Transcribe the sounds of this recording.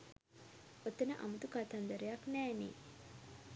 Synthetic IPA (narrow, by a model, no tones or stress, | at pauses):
ot̪ːənəʔa̰mut̪ukat̪and̪əɾejaknæːnḭː